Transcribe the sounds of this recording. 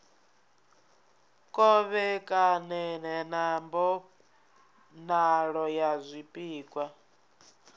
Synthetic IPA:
kʼɔβɛkʼanɛnɛnambɔ | naɺɔjazʷipʼiːkʼwa

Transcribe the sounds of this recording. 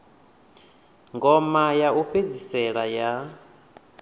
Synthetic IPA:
ŋɡɔmajaʔuɸʰed͡zisɛɺaja

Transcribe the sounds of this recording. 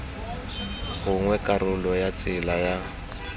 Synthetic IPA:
ɣʊŋwɛkʼarʊlɔjat͡sʼɪlaja

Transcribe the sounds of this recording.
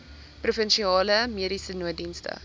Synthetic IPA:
prufənʃiɑːləmiəɾisənuət̚dinstə̰

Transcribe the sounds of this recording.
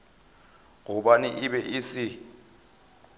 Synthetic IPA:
ŋuɓanḭʔiɓɛʔisi

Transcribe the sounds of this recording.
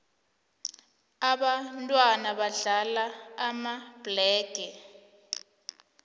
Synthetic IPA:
aɓantʼwanaɓaɮalaːmab̥lɛːɡ̥ʱɛ

